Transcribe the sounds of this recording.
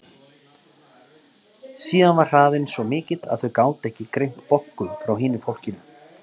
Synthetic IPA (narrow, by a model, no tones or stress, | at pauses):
siːðanvar̥r̥aːðɪnsvɔmɪːcɪt̪a̰ðθœɥkaːwt̪ɛhcɪkɾejm̥t̪pɔhkʏfɾawɦɪːnɪfowl̥cɪnʏ